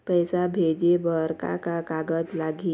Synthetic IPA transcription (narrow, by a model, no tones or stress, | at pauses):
pəjsabʱed͡ʒebəɾka̰kakaːɡəd͡ʒlaːɡi